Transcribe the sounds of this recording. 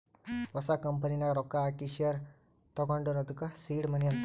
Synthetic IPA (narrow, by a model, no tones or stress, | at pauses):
ʋɐsakɐmpəninaɾɔkːaːkiʃiɐɾ | t̪ɔɡaɳɖuɾɐd̪ukɐsiːɽmɐnijɐn